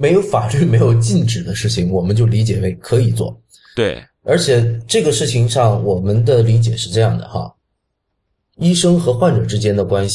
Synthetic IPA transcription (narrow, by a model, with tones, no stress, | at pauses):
me˧˥ɪjo˧˥ʊfa˨˩ly˥˩me˧˥ɪjo˨˩ʊt͡ɕi˥˩nʈ͡ʂɻ̩˨˩d̪ə˦ʂɻ̩˥˩t͡ɕʰi˩ŋwɔ˨˩mə˦nt͡ɕjo˥˩ʊli˧˥t͡ɕjɛ˨˩we˥˩ɪkʰɤ˧˥i˨˩t͡swɔ̰˥˩ | we˥˩ | ə˞˧˥t͡ɕʰjɛ˨˩˦ʈ͡ʂɤ˥˩ɡə˩ʂɻ̩˥˩t͡ɕʰi˧˥ŋʂɑ˥˩ŋwɔ˨˩mə˦nd̪ə˧˨li˧˥t͡ɕjɛ˨˩ʂɻ̩˥˧ʈ͡ʂɤ˥˧jɑ˥˩ŋd̪ə̰˩xa̰˧ | i˥ʂɤ˥ŋxɤ˧˥xwa˥˩nʈ͡ʂɤ˨˩ʈ͡ʂɻ̩˥t͡ɕjɛ˥nd̪ə˨kwa˥nɕ